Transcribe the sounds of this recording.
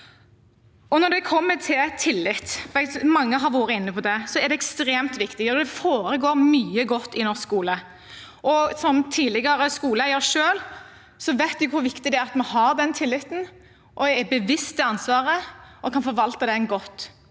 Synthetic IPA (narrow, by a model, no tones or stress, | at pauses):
ɔnɔɖ̪ɛkʰɔmːət̪ʰɪlt̪ʰɪlːɪt̪ːʋæɪt̪mɑŋːəɦɑɾʋoːɾəɪnːəpʰɔd̪ɛsɔɛɖ̪ɛɛkst̪ɾeːmt̪ʋɪkt̪ɪɡɔd̪ɛfoːɾəɡoːɾmyːəɡɔt̪ːɪnɔskuːlə | ʔɔsɔmt̪ʰiːlɪɡɑɾəskuːləjəʂøːl | sɔʋæɪt̪dɪkʰʊɾʋɪkt̪ɪd̪ɛæɾɑt̪mɑnhɑɾd̪ɛnt̪ʰɪlːɪt̪ːn̩ | ʔɔɛɛbəʋɪst̪ɛɑnsʋɑːɾəɔkʰɑnfɔɾʋɑlt̪əd̪ɛnɡɔt̪ː